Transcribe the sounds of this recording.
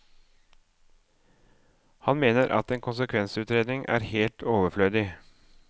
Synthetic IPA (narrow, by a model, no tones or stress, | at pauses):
hɑnmeːnəɾʔɑ̰t̪eːnkʰʊnsəkʰʋɛnsʉːt̪ɾeːd̪nɪŋʔæ̰ːɾheːlt̪ʰoːʋəfløːd̪ɪ